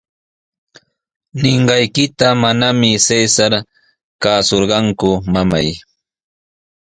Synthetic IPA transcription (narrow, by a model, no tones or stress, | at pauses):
nɪɴɢɑjkɪt̪amanamɪsesaɾ | kaːsoɾɢɑŋkʊmamaj